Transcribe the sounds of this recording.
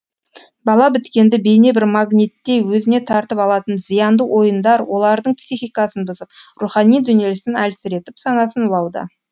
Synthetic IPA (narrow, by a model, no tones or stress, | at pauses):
bɑlˠɑbɪt̪kʲe̞nd̪ɪbe̞jne̞bɪɾmaɡnʲit̪ːe̞jwɵzɪne̞t̪ʰɑɾt̪əpɑlˠɑt̪ənzijɑnd̪əwʔo̞jənd̪ɑɾwo̞lˠɑɾd̪əɴpsiχijkɑsənbʊzəp̚ruχɑnijd̪ʏnje̞lɪsɪnælsɪɾe̞t̪ɪpsɑnɑsənʊlˠɑwd̪ə̰